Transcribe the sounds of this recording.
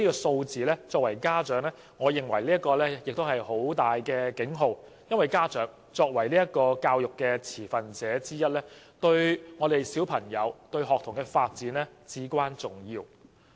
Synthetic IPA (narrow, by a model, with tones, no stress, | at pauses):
niː˥kɔː˧so˧wt͡siː˨lɛː˥t͡sɔː˧k̚wɐ˨˩jkaː˥t͡ʃœː˨˥ŋlɛː˥ | ŋɔː˨˧jɪ˨˩ŋwɐ̰˨˩jliː˥t̚kːɔː˧lɛː˥jɪ˨k̚t̪o˥wɦɐ˨jho˨˥wt̪aː˨jkɛː˧kɪ˨˥ŋɦo˧w | jɐ˥nwɐ˨jkaː˥t͡ʃœː˨˥ŋ | t͡sɔː˧k̚wɐ˨˩jliː˥jɐ˥t̚kɔː˧kaː˧wjʊ˨kːɛː˧t͡sʰiː˨˩fɐ˨nt͡sɛː˨˥t͡siː˥jɐ˥t̚lɛː˥t̪ɵ˧ɥŋɔː˨˧ɾe˨jsiː˨˥wpʰɐ˨˩ŋjɐ˨˧wt̪ɵ˧ɥɦɔː˨k̚t̪ʰʊ˨˩ŋkɛː˧faː˧t̚t͡siː˨˥nlɛː˥t͡siː˨˥kʷaː˥nt͡sʊ˨˩ŋjiː˧w